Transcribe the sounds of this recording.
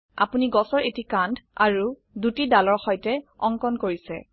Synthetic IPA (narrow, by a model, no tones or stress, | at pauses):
a̰puniɡɔsɔɹetikandʱa̰ɹu | dutidalɔɹxɔjtɛɔŋkɔnkoɹisɛ̰